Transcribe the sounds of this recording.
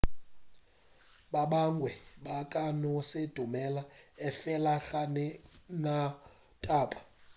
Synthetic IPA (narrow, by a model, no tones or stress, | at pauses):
ɓaɓaŋɡʱwɛɓakʼanɔsed̥ʱumɛlaɛfɛlaxanɛna | tʼaːpʼḁ